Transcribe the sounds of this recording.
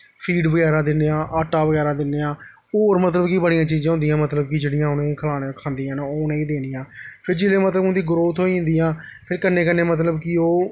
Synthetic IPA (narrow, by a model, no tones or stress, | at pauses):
pʰiːɖbəɡɛːɾãːd̪ɪnːeːãːʔəʈːaːʋəɡɛːɾaːd̪ɪnːeːãː | oːɾmət̪ləbkibəɽijãːt͡ʃiːzãːõnd̪ijãːmət̪ləb̚kɪd͡ʒeːɽɪjãːʊnẽːkʰəlaːneːkʰãːnd̪iːãːnoːnẽːiːd̪eːnijãːpʰɪɾd͡ʒeːleːmət̪ləbʊ̃nd̪iːɡɾoːt̪ɦoːiʊ̃nd̪iːãːpʰɪɾkənːẽːkənːẽːmət̪̬ləbkɪoː